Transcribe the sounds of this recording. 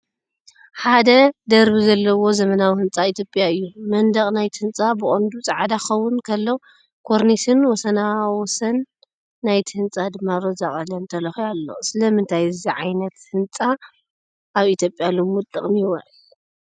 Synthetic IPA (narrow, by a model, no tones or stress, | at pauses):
ħad̪ɐd̪ɐɾbizɐlːɐwo̞zɐmɐnawihɨnt͡sʼait̪ʰjopʼjaɨjːumɐnd̪ɐχʼnajt̪ʰɨnt͡sʼabɨχʼond̪ut͡sʼaʕad̪axɐwːʊnkʰɐlːɐw | kʰoɾnisɨnwɔsɐnawɔsɐnː | ajt̪ʰihɨnt͡sʼad̪ɨmːaɾozaχʼɐlɐnt̪ʰɐlɐxialːo̰sɨlɐmɨnt̪ʰajɨziʕajnɐt̪hɨnt͡sʼa | ʔaβit̪ʰjo̞pʼːjalɨmut̪ʼɨ̰χʼmiwɐ̰ʕɨ